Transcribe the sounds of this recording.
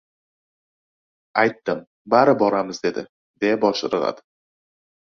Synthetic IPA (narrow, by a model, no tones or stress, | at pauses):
ɑjt̪ːəm | bæɾəbɒɾɑməzd̪e̞d̪ɪ̰ | d̪ebɒʃəɾʁɑ̰d̪